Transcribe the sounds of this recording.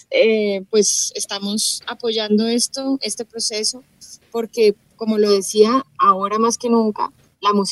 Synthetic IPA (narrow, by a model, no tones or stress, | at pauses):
epwe̞sest̪amo̞sapo̞ʝand̪o̞e̞st̪oe̞st̪e̞pɾo̞se̞so̞ | po̞ɾke̞ | ko̞mo̞lo̞ðe̞siaːoɾamaske̞nũŋka̰ | lamus